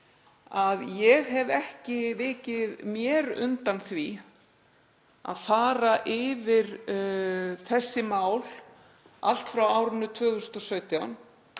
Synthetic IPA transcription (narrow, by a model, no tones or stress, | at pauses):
aðjɛɣɦɛvɛhcɪvɪːcɪðmjɛɾʏ̰nt̪anθvi | a̰ðfaːɾaʔɪvɪɾ̥ | θɛsːɪmaːwl | al̥t̪fɾawaːwɾɪnːʏt̪ʰvœːɣðʏst̪ɔsœːɥt̪jawn